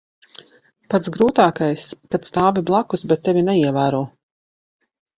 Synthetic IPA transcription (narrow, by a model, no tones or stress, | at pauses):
pat̪ɡɾuːt̪aːkajskat̪st̪aːviblˠakusbɛt̪ːɛvʲinɛiɛvæːɾɔɔ